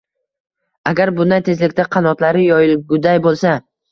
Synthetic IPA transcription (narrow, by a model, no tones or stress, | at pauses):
aɡʲaɾbʊnd̪ajt̪ʰe̞zlɪkʲt̪aqʰɑnɒt̪laɾɪjɒjɪlɡʊd̪ajbolˠsa